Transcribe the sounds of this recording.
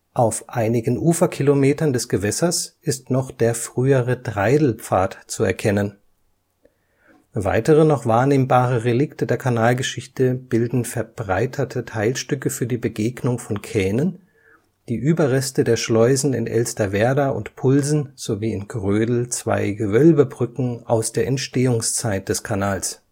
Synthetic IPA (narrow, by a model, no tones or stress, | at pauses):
ʔaʊfʔaɪnɪɡn̩ʔuːfɐkʰilomeːtɐndɛsɡ̥əvɛsɐsʔɪstnɔχd̥eːɐfʁ̥yːəʁədʁaɪdl̩pp͡faːtt͡suɛ̰ɐkʰɛnən | va̰ɪtəʁənɔχv̥aːɐneːmbaːʁəʁelɪktədeːɐkʰanaːlɡəʃɪçtəb̥ɪldn̩fɛɐb̥ʁaɪtʰɐtʰətʰaɪlʃtʏkəfyːɐdiːbəɡeːɡnʊŋfɔnkʰɛːnən | d̥iːʔyːbɐʁɛstədeːɐʃlɔʏzn̩ɪ̰nʔɛ̰lstɐvɛɐdɐʔʊ̰ntpʰʊlzn̩z̥oviːɪnɡʁøːdl̩t͡sv̥a̰ɪɡəvœlbəbʁʏkŋ̩ʔa̰ʊsd̥eːɐʔɛntʃteːʊŋst͡saɪt̚d̥ɛskʰanaːls